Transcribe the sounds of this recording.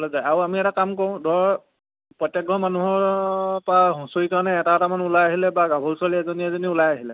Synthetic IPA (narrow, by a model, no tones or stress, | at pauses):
bɔlɔzajaɹuamiɛtakamkɔɹʊ̃dɔɹ | pɹɔtːɛɡɔmanuɦɔɹpaɦusoikaɹnɛːtatamanʊlajaɦilɛbaɡabʱɔlswaliɛzɔniɛzɔniulajaɦilɛ